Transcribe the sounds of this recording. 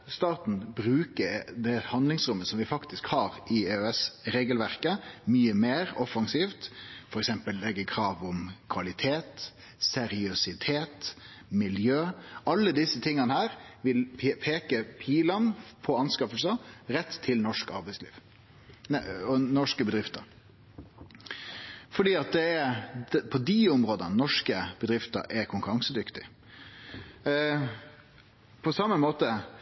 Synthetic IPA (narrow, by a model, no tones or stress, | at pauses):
st̪ɑːt̪n̩bɾʉːkəɾd̪ɛhɑnd̪lɪŋsɾʉmːəsɔmʋɪfɑkt̪ɪskhɑːɾʔɪeːøɛsɾeːɡəlʋæɾkəmyːəmeːɾɔfɑŋsiːft̪fɔɾɛksɛmpəlːɛɡːəkʰɾɑːʋɔmkʰʋɑlɪt̪ʰeːt̪ | sɛɾɪʉsɪt̪ʰeːt̪ | mɪljøːɑlːəd̪ɪsːət̪ʰɪŋːɑnəhæːɾʋɪlpʰeːkəpʰiːlɑnpʰɔɑnskɑfəlsɑɾɛt̪ʰːɪlnɔʂkɑ̰ɾbæɪslḭːʋ | ɔnɔʂkəbəd̪ʁɪft̪əɾ | fɔɖiːɑt̪̚d̪ɛɛɾpʰɔd̪iʊmɾoːd̪ənnɔʂkəb̥əd̪ɾɪft̪ə̰ɾʔɛkʰʊŋkʉɾɑŋsəd̪ʏkt̪ɪ | pʰɔsɑmːəmoːt̪ə